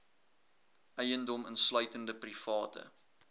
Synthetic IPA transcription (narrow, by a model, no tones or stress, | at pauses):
ʔœjəndɔmənslœɥtəndəprifɑːtə̰